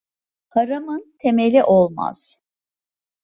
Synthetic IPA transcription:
hʰaɾamɯnt̪ʰe̞melʲiʔolˠma̰z̥

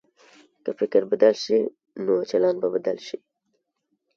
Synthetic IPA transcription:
kəfɪkəɾbad̪alʃi | not͡ʃalɑnbabad̪alʃi

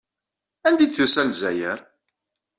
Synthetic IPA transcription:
ænd̪iθisælzæjəɾ

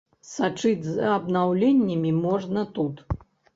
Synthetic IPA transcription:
sat͡ʂɨd͡zʲzɐbnawlʲenʲːɐmʲimɔʐnɐt̪ut̪

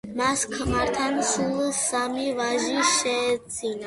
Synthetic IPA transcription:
maskʰmaɾt̪ʰansulsamiʋaʒiʃet͡sina

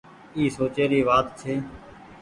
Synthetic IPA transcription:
iːsoːt͡ʃeːɾiːʋaːt̪t͡ʃʰeː

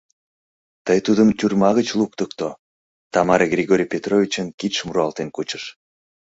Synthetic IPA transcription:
t̪əjt̪ud̪əmt̪yrmɑɣət͡ɕlukt̪ək̚t̪o | t̪ɑmɑɾeɡrʲiɣoɾʲijpʲet̪rovʲit͡ɕənkit̪ʃəmuɾuɑlt̪enkut͡ɕəʃ

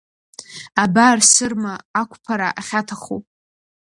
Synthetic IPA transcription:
abarsɨrmaakʷʰʼpʰaɾaʔaχʲatʰaχṵ

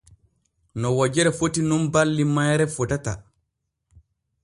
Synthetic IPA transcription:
nɔwad͡ʒɛɾɛfotinunbalːimajɾɛfɔtata

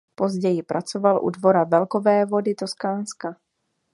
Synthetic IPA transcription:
po̞zɟɛjɪpɾʔat͡so̞valʔṵdvo̞ɾavɛlkovɛːvo̞dɪt̪oskaːnska

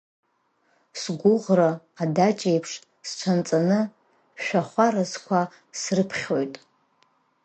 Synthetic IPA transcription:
sɡʷʊʁraː | dat͡ʃʼejpʰʂ | st͡ʃʷʰant͡sʼanɨ | ʃᶣaχʷaɾazkʷʰa | srɨpʰχʲojtʼ

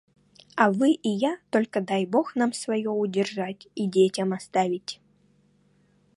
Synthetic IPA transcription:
ɐvɨʔijat̪olʲkəd̪ajbo̞xnamsvɐjoʊdʲɪrʐatʲidʲetʲəmɐst̪avʲɪtʲ

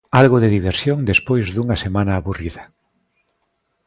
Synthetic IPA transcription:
alɣoðeðiβ̞eɾsjoŋd̪espojzðuŋasemãnaːβuriðɐ

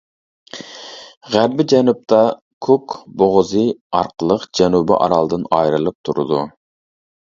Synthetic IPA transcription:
ʁæɾbːɪd͡ʒɛnup̚t̪ʰɑ | kʰukboʁzɨɑ̰ɾqʰəlˠəqd͡ʒɛnubɪ̰ʔɑ̰ɾɑlˠd̪ɨnɑjɾɨlˠɨp̚t̪ʰuɾɨ̰d̪u

